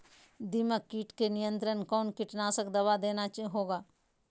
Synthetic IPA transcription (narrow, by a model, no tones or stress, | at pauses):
d̪iməkːiːʈkenɪjə̃nt̪ɾənkɔːnkɪʈnaːsəkd̪ɐʋad̪eːnat͡ʃɦoːɡaː